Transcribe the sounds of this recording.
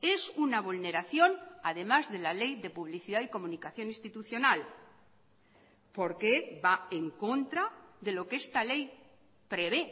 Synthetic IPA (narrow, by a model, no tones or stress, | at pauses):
e̞sunaβ̞ulne̞ɾaθjo̞naðe̞mazðe̞lale̞jðe̞puβ̞liθiðaiko̞mũnikaθjo̞nĩst̪it̪uθjo̞nal | po̞ɾke̞baeŋko̞nt̪ɾaðe̞lo̞ke̞st̪ale̞j | pɾe̞βe̞